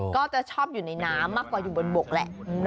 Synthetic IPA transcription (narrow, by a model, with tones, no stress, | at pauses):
kɔː˥˩t͡ɕa˨˩ʔt͡ɕʰɔː˥˩p̚juː˨˩na˧jnaː˦˥mːaː˥˩kwaː˨˩juː˨˩bo˧nbo˨˩k̚lɛ̰˨˩ʔ